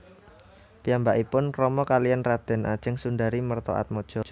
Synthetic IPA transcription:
piambaʔipʊnkrɔmɔkalijanrad̪̥ɛ̤nʔa̰d̥ʒ̥əŋsundaɾimərt̪ɔ̰ʔa̰t̪̚mɔd̥ʒ̥ɔ̤

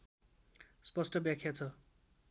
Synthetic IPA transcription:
spʌsʈʌbjakʰjat͡sʰʌ

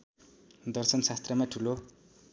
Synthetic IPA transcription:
d̪ʌrsʌnsast̪rʌmaʈʰulo

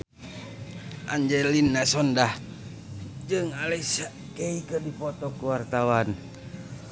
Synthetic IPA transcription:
ʔa̰ɲd͡ʒɛlinːasɔndah | d͡ʒɨŋalaisa | keikədipɔt̪ɔkuwart̪awan

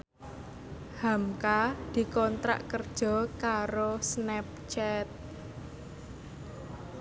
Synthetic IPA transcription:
hamkad̪̥i̤kɔnt̪ɾa̰ʔkərd̥ʒ̥ɔ̤kaɾosnɛp̚t͡ʃɛt̪̚

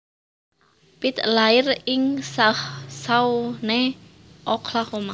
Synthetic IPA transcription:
pit̪lairiŋsahsawne | ʔɔkʰlahoma

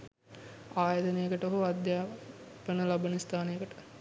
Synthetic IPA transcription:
aːjɐd̪ənejəkəʈəoɦoad̪jaːpənəlabənist̪ʰaːnejəkəʈə̥

